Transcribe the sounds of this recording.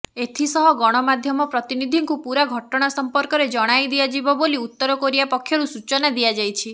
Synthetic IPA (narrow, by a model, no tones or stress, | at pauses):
et̪ʰisɔɦɔɡɔɽ̃ɔmad̪ʱjɔmɔpɾɔt̪inid̪ʱiŋkupuɾaɡʱɔʈɔɽ̃asɔmpɔɾkɔɾed͡ʒɔɽ̃ajd̪iad͡ʒibɔboliut̪ːɔɾɔkɔɾibapɔkʰːjɔɾusut͡ʃɔnad̪iad͡ʒajt͡ʃʰi